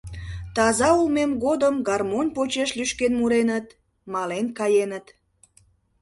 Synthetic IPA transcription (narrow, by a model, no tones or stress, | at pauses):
t̪ɑzɑulmemɣod̪əmɡɑrmonʲpot͡ɕeʃlyʃkenmuɾenət̪ | mɑlenkɑjenət̪